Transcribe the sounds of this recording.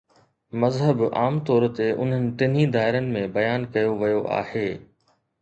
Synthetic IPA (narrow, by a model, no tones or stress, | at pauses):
mɐzɦəba̰ːmt̪ɔːɾt̪eʔʊ̰n̤ənɪ̆ʈɪn̤id̪aːɪɾənɪ̆mẽbɐjaːnkɐjoʋɐjoʔa̰ːheː